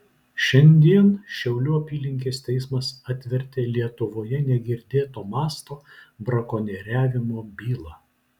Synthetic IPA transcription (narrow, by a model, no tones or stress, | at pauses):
ʃʲɛnʲd̪ʲiɛnʃʲɛʊlʲuːɐpʲiːlʲɪŋʲkʲeːst̪ʲɛɪsmɐsɑt̪ʲʋʲɛɾʲt̪ʲeːlʲiɛt̪ʊʋoːjɛnʲɛɡʲɪɾʲd̪ʲeːt̪oːmɑːst̪oːbɾɐkoːnʲɛɾʲæːʋʲɪmoːbʲiːlˠɑː